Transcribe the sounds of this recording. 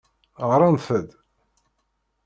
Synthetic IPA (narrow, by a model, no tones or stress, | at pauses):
ʁɾˤɑnθəd̪